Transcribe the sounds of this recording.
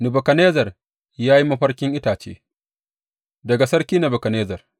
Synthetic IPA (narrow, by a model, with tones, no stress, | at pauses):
nɪ˨bɐ˨kɐ˨neː˦zɐ˨r | jaː˦ji˦mɐ˦ɸɐ˦ɽkʲɪ˦ŋʔɪ˦taː˨t͡ʃḛː˦ | dɐ˨ɡa˨sɐ˦ɽkʲiː˦nɐ˨bɐ˨kɐ˨neː˦zɐ˨r